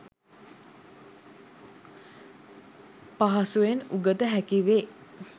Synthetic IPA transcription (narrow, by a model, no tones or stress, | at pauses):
paɦasuenuɡət̪əɦækiʋeː